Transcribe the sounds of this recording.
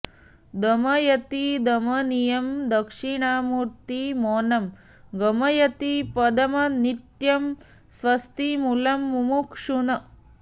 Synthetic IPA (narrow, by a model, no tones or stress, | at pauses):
d̪ɐmɐjɐt̪id̪ɐmɐnijɐmd̪ɐkʂiɳaːmuːɾt̪imoːnɐm | ɡɐmɐjɐt̪ipɐd̪ɐmɐnit̪jɐm | sʋɐst̪imulɐmːumukʂunɐ